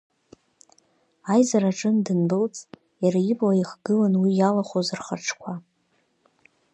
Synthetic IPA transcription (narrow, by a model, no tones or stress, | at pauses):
ajzaɾaʈ͡ʂʼɨndɨnbɨlt͡sʼ | jaɾaibʼlaiχɡ̥ɨlanwijalaχozɨrχa̰ʈ͡ʂʰkʷʰa